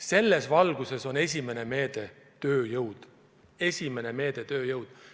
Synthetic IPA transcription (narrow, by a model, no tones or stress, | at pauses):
se̞lːe̞svɑlɡ̥use̞so̞ne̞sʲime̞ne̞me̞ːd̪̥e̞ | t̪ø̞ːjɤwd̪̥ | e̞sʲime̞ne̞me̞ːd̪̥e̞t̪ø̞ːjɤwd̪̥